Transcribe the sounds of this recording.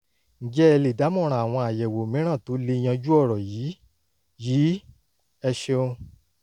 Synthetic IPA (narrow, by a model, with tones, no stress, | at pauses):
n̩˨˦d͡ʒɛ˦ɛ˧le˨da˨˦mɔ̃˦˨ɾ̃ã˨a˨w̃ɔ̃˧a˨jɛ˨wo˨mĩ˨˦ɾ̃ã˦˨to˨˦le˧i˧j̃ã˧d͡ʒu˦ɔ˦˨ɾɔ˨jiː˨˦ | jiː˨˦ | ɛ˧ʃe˧o˧